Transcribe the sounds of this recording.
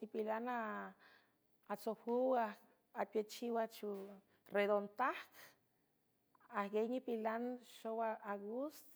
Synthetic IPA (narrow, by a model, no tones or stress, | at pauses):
nipilana | t͡sohuwa | apʲjet͡ʃiwat͡ʃu | red̪ont̪ahk | ahɡejnipilanʃowaaɡust̪